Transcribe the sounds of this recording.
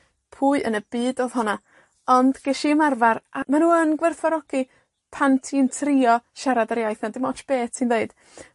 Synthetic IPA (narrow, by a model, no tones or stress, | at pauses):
pʰuːɨʔənəb̥iːdoːð̥ɦɔna | ɔnd̥ɡ̥ɛʃiəmarvaɾʔamanuːənɡwɛrθvaɾɔɡ̥i | pʰantʰiəntʰrɪɔʃaɾadaɾjajθnadɪmɔt͡ʃb̥eːtsindeɨd̥